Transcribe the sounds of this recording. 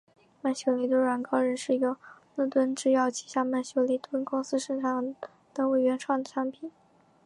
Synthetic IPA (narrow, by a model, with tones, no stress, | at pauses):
ma˥˩ɪɕjo˧˩ʊli˧˥˩t̪wə˥nɻa˨˧˩nkɑ˥ʊɻə˧˥nʂɻ̩˥˩i˧˥ɡə˧lu˥˩t̪wə˥nʈ͡ʂɻ̩˥˧jɑ˥˩ʊt͡ɕʰi˨˩ɕja˥˩ma˥˩ɪɕjo˧˥ʊli˧˥˩t̪wə˥nkʊ˥ŋsɹ̩˥ʂə˥˧ʈ͡ʂʰɑ˨˩ŋ | d̪̥ə˨we˨˩ɪɥɛ˧˥nʈ͡ʂʰwɑ˥˩ŋd̪ə˩ʈ͡ʂʰa˧˥npʰi˨˩˦n